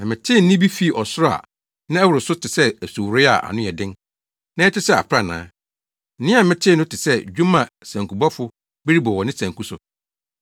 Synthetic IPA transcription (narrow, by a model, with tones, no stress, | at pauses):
nã˨mɪ̃˨tʰɪ˦˨n̩˦ɪ̃˦bi˦fi˦˨ʔɔ˨sʊ˦ɾa̰˨ | nã˦ɛ˦wɾʊ˨sʊ˦tʰɪ˨sɛ˦æ˨su˨wɾɪ˦a̰˨ʔa̰˨nʊ̃˦jɛ˨dɪ̃˦n | nã˦ɛ˦tʰɪ˦sɛ˦a̰˨pʰɾa˦˨nã̰ː˨˦ | n̩˦nɪ̃˦a˨mɪ̃˦tʰɪ˦˨nʊ̃˦tʰɪ˨sɛ˦d͡ʑᶣu˦mã˨sã˨ŋku˨bɔ˦fʊ˦ | bɛ˦ɾi˦bɔ˨wɔ˨nɪ̃˦sã˨ŋkʰu˦sʊ̰˨